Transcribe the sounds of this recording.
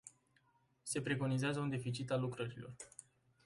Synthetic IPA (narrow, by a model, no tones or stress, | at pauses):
se̞pɾe̞ko̞nizeazəund̪e̞fit͡ʃit̪alːukɾəɾilo̞̰r